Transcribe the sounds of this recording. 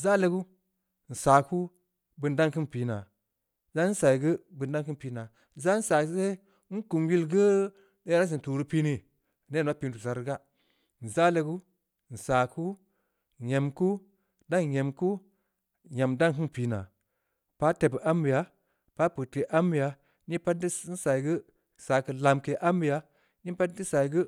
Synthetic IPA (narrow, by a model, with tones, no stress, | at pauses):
za˦le˦ɡu˦ | n̩˨saː˨ku˦ | bɨ˧nda˦ŋkɨ˦npi˨˦na˨ | za˦n̩˦sa˨i˨ɡɨ˦bɨ˧n˦da˦ŋkɨ˦npi˨na˨ | za˦n̩˦sa˨˦se˦ | ŋ̩˦ku˨mji˦lɡə˦ | ne˦na˦s̬i˨tu˨ɾu˦pi˦ni˨ | ne˦˨ma˦pi˧n˦tu˨sa˨ɾɨ˦ɡa˦ | n̩˨za˦le˧ɡu˦˨ | n̩˨saː˨ku˦˨ | ɲe˨mku˦ | da˦ŋ˨je˨mku˦˨ | ɲa˨mda˦ŋkɨ˦npiː˨na˨ | pa˦te˨bʔa˦mbi˨ja˨ | pa˦pɨ˨tke˨ʔa˦mbi˨ja˨ | ni˦pa˦t̚di˦n̩˦sa˨i˨ɡɨ˦˨ | saː˨kɨ˨la˨mke˨ʔa˦mbi˨ja˨ | ni˦pa˦di˦sa˨i˨ɡɨ˦